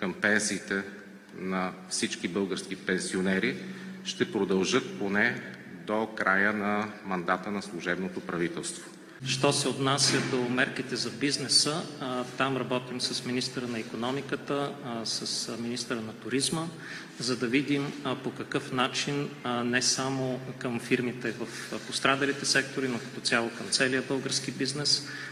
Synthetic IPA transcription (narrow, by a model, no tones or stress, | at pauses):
kəmpɛnsiːt̪ɛ | nɐfsit͡ʃkibɤlˠɡəɾskipɛnsionɛɾiʃt̪ɛpɾod̪ɐlˠʒɤt̪̚ponɛ | d̪okɾʔajənɐmɐnd̪at̪ənɐslˠuʒɛbnot̪opɾɐvit̪ɛlˠst̪vo̥ | ʃt̪ɔsɛot̪nasʲjəd̪omɛɾkit̪ɛzɐbiznɛsət̪amɾɐbɔt̪imsɐsminist̪əɾənɐikonɔmikət̪əsəsminist̪əɾənɐt̪ʊɾizmə | zɐd̪ɐvid̪impokɐkɤfnat͡ʃinnɛsamokəmfiɾmit̪ɛvəfpost̪ɾad̪ɐlit̪ɛsɛk̚t̪oɾinokɐ̥t̪ʊtsʲalˠokəmt̪sɛliəbɤlˠɡəɾskibiznɛs